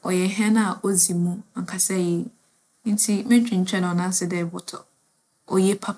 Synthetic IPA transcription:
ɔ˨jɛ˨ɦɛ̃˦nã˦a˨ʔɔ˦zi˨mũ˦˨ŋ̩˨kʰa˨sɛ˦je˨ | n̩˦tʰi˦mɛ̃˦t͡ɕᶣĩ˨ɲ̩˦t͡ɕʰᶣɛ˦nʊ̃˨ɔ˨nã˦sɪ˦dɛ˦˨bʊ˨tʰɔ˨ | ɔ̰˨jɛ˦pʰa˦

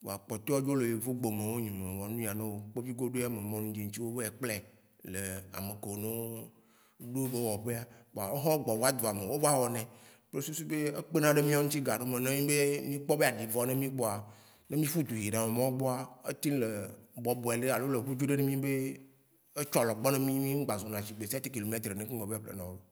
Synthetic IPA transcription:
wo̰˨a˨k͡pɔ˨t̪e˦wɔ˦d͡ʒo˦le˨je˨vo˦ɡ͡bo˨mẽ˨wo˦ɲĩ˨mẽ˨wɔ˨nũ˦ja˨nẽ˦wo˦k͡pe˦vi˦ɡo˦ɖo˦a˦˨me˨mɔ̃˦nũ˦d͡ʒi˨ŋ̩˦t͡ɕi˦wo˦be˦e˨k͡plɛ˦ | le˨a̰˨me˨ke˨o˨nẽ˦ | ɖu˦be˦wɔ˨ɸe˦a˦k͡po˨a˨e˦ɦɔ̃˦ɡ͡bɔ˨vɔ˦a˦d̪o˨a˨me˨wo˦va˦wɔ˨nɛ̃˨ | k͡pe˦su˦si˦be˦e˦k͡pe˦nã˦ɖe˦mĩ˦a˦ŋũ˦t̪i˦ɡa˨ɖo˦mẽ˨nẽ˦mĩ˦be˦mĩ˦k͡pɔ˦be˦a˨ɖi˨vɔ˨nẽ˦mĩ˦k͡pɔ˦a˨ | nẽ˦mĩ˦fu˦d̪u˨ɦi˨ɖã˨mẽ˨mɔ̃˦wɡ͡bɔ˦a˦ḛ˦t̪ĩ˦le˨bɔ˨bɔ˨ɛ˨ɖe˦a˨lo˦le˨ɸu˦d͡ʒu˦ɖe˦ne˦mĩ˦be˦ | e˦t͡ʃɔ˦lɔ˨ɡ͡bɔ˦nẽ˦mĩ˦mĩ˦ŋ̩˦ɡ͡ba˨zo˨nã˨ʃi˨ɡ͡be˨si˦a˦t̪i˦ki˨lo˨me˦t̪ɾe˨nẽ˨˦ke˦ɡ͡bɔ˨be˦k͡plḛ˨nã˨˦o˦˨

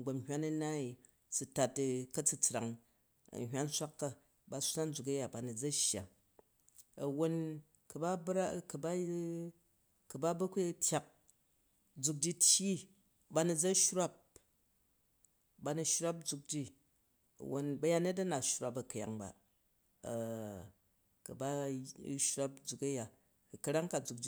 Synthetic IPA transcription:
ɡ͡bo˨mɦʲʷa˦nɐ˦na˦i˨ | t͡su˨ta˨tkɐ˦t͡su˦t͡sɾa̰˨ŋ | ɐ̰˨ɦʲʷa˦n˦sʷa˦kːa˦ | ba˨sa˦nd͡zu˨k̬ɐ˦ja˨ba˨ni˨d͡zɐ˦ʃja̰˨ | ɐ˨wo˨n | kɐ˨ba˦bɾa˦kɐ˨ba˦ | kɐ˨ba˦bɐ˦ku˦tʲʰja˨k̚ | d͡zu˨k̬̚d͡ʒi˦tʲji˦ | ba˧ni˨d͡za˦ʃɾa˦p̚ | ba˨˧nu˧ʃɾa˦p̚d͡zu˧k̚d͡ʒi˦ | ɐ̰˨wʔo˨nbɐ˧ja˦ne˦t̬ɐ˦na˨ʃɾa˨pɐ˨kɐ˨ja̰˨ŋba̰˨ | kɐ˨ba˦ʃɾa˦p̚d͡zu˨kɐ˦ja˨ | kɐ˧ɾa˦ŋka˨d͡zu˨k̚d͡ʒi˦

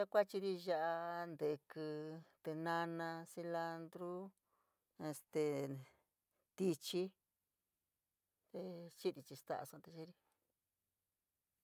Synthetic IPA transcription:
a˦kʷa˦t͡ʃi˧ɾi˧ʒa˦˧ʔa˧nd̪e˨˧kɨ˧t̪e˧nã˧nã˧si˧la˧nd̪ɾu˦ | e˧st̪e˧ | t̪i˧t͡ʃi˦ | t̪e˧t͡ʃi˦ɾi˧t͡ʃi˧st̪a̰˦˧ʔa̰˧sã˧t̪e˧t͡ʃi˦ɾi˧

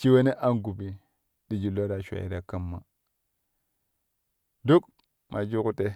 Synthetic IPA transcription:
t͡ʃi˦we˦ne˦ʔa˦nɡu˨bi˨ | di˨d͡ʒi˨lo˦ɾa˨ʃʷa̰˨ḭ˨ɾa˨ka˦mːa˨ | du˦k | mʔa˨d͡ʒu˦ku˦te˦

